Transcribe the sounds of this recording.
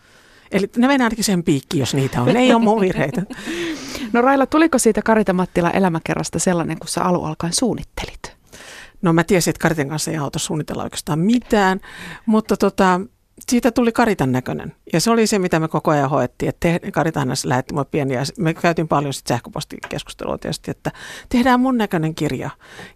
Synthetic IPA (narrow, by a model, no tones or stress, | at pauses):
elinemeniɑinɑkisihempiːkːiːjosniːt̪æonneiommuʋʋirheit̪æ | norɑilːɑt̪ulikosiːt̪ækɑɾit̪ɑmɑt̪ːilɑ̰ʔḛlæmækḛrːɑst̪ɑselːɑneŋkussḛʔɑlṵʔɑ̰lkɑinsuːnːit̪ːe̥lit̪ | nomæt̪iæsiet̪kɑrit̪eŋkɑnsːeiɑut̪ɑssuːnit̪ḛlːɑo̰ike̥st̪ɑːmmit̪æːnmut̪ːɑt̪ot̪ɑ | siːt̪æt̪ulikɑrit̪ɑnːækønḛnjɑseolisemit̪æmekokoɑjɑhoet̪ːiːet̪t̪ehkɑrit̪ɑhnɑslæ̰het̪ːimuleppieniɑsmekæyt̪impɑljosi̥t̪sæhkøpo̰st̪ḭkḛsku̥st̪ḛlṵo̰t̪ḛst̪iet̪ːæt̪ehdæːmmunnækøneŋkirjɑ̰